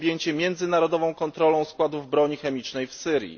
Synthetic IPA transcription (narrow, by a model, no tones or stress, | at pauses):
bʲjeɲt͡ɕɛmʲjɛnd̪zɘnaɾɔd̪ɔvɔ̃w̃kɔnt̪ɾɔlɔ̃w̃skwad̪uvbɾɔɲixɛmʲit͡ʂnɛjfsɘɾʲjḭ